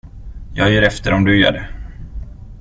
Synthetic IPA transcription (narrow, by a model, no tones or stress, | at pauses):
jɑːɡjiːɾɛft̪əɾɔmd̪ɵjœ̰ːɖə